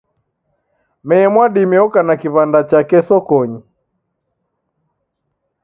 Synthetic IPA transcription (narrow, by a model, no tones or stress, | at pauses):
mɛɛmwaɗimɛɔkanakiβandat͡ʃakɛsɔkɔɲi